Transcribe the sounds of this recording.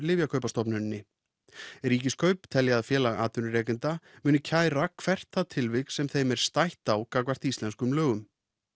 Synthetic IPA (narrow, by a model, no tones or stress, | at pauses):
lɪvjakʰœɥpast̪ɔpnʏnːɪ | ɾiːcɪskʰœɥpt̪ʰɛljaːðfjɛːlaɣaːt̪ʏnʏɾɛːkɪnt̪amʏːnʏcʰaːjɾakʰvɛr̥t̪θaðt̪ʰɪlvɪksɛmθejmɛɾ̥st̪ajht̪awkakvar̥t̪ist̪lɛnskʏmlœːɣʏm